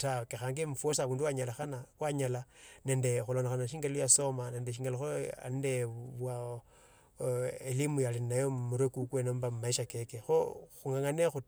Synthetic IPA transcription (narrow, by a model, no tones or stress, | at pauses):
takexaːŋɡimufosaβuːnduwaɲalaxanawaɲalane̞ːnde̞xulonaxanaʃiːŋɡelojasomane̞ːndeʃiŋɡeloxoa̰ndeβwa | elimujalinajomuɾekukwenombammaiʃakekexoxuŋaŋanexu